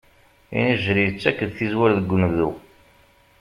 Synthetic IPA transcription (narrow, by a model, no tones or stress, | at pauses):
ḭniʒɾiət͡sːækːəd̪θizwæɾðəɡʷːunðu